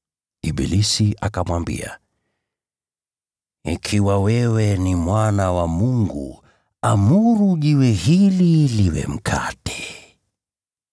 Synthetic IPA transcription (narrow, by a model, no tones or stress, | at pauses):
iɓḭlisiʔakamwambḭa̰ | ḭkʰiwawɛwɛnimwanawamuŋɡṵ | amuɾuʄiwɛhililiwɛ̰m̩kʰatɛ̥